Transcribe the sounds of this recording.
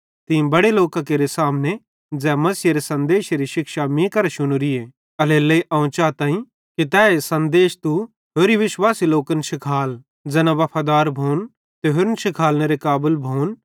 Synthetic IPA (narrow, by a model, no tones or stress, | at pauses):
t̪ɪ̃bɐɽeloːkãkeːɾesaːmne | d͡zɛ̃ːmɐsijɾesɐ̃nd̪eːʃɾiʃɪkʃamĩkɐɾeʃʊɽ̃uɾieː | ɐleːlɐiʔɐ̃ʊ̃t͡ʃaːt̪ãːĩ | kit̪ɛːesɐ̃nd̪eːʃt̪u | ɦoːɾiʋɪʃwaːsiloːkənʃɪkʰaːl | d͡zɛːnãʋɐpʰaːd̪aːɾbʱoːn | t̪eɦʊɾnʃɪkʰaːlneɾekaːbəlbʱoːn